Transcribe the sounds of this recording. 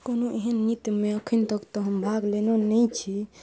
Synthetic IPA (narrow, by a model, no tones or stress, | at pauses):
konoʔiɦənːit̪jumeəkʰint̪əkt̪ɔɦəmbʱaɡlenonɛjt͡ʃʰi